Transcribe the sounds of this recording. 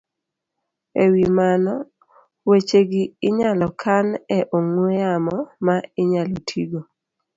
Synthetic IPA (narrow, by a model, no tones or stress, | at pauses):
ewimanɔ | wet͡ʃeɡɪɪɲalɔkʰanɛʔoŋwejamɔmaɪɲalɔtʰiɡo